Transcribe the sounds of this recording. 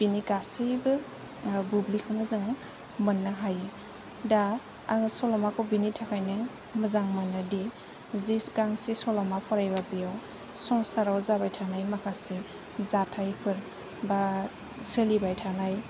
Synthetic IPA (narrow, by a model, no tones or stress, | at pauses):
b̥iniɡasɯjbɯ | bublikʰɯnɯzɯŋa | mɯnːaɦaji | da | sɔlɔmakʰɔbinitʰakʰajnɯŋ | mɯzaŋmɯnːadi | zisɡaŋsesɔlɔmapʰɔɾajbabijaw | sɔŋsaɾawzabajtʰanajmakʰase | zatʰajpʰɯɾ | ba | sɯlibajtʰanaj